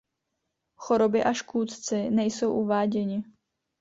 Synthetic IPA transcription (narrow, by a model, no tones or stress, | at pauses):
xoɾobɪʔaʃkuːt̪t͡sɪnɛjsowʔuvaːɟɛɲɪ